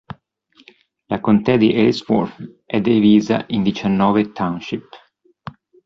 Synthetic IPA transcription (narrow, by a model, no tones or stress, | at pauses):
lakont̪ɛd̪iʔɛlsfɔ̰ɾfʔɛd̪iviːza̰ʔind̪it͡ʃanːɔːvet̪ʰawnʃip